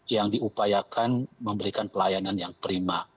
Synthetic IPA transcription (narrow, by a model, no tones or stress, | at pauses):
jaŋdiupajakanməmbəɾikanpəlajananjaŋpəɾima